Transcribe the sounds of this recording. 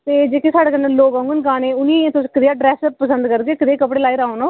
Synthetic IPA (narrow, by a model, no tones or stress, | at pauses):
t̪eːd͡ʒeːkesaːɽeːkənːãloːɡãːŋɡənkaːnẽːʊnĩẽːt̪ʊsĩkɾɪjaːɖɾɛːsəpəsənd̪kəɾɡeːkəɾeːkəpɽeːlaːiːɾaːonoː